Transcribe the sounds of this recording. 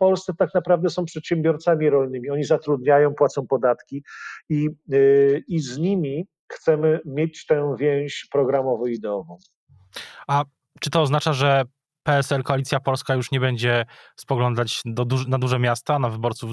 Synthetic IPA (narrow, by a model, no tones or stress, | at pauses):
fpɔlssɛt̪aknapɾavd̪ɛsɔ̃w̃pʂɛt̪ɕɛmbʲjɔɾt̪samʲiɾɔlnɘmʲiɔɲizat̪ɾud̪ɲajɔ̃w̃pwat̪sɔ̃w̃pɔd̪at̪kʲii | izɲimʲi | xt̪sɛmɘmʲjet͡ɕt̪ɛ̃vʲjɛw̃ɕpɾɔɡɾamɔvɔid̪ɛɔvɔ̃w̃ | a | t͡ʂɘt̪ɔːznat͡ʂaʐɛ | pɛɛsɛlkɔalʲit̪ʲjapɔlskajuʂɲɛbɛɲd͡ʑɛspɔɡlɔnd̪at͡ɕd̪ɔd̪unad̪uʐɛmʲjast̪anavɘbɔɾt̪suv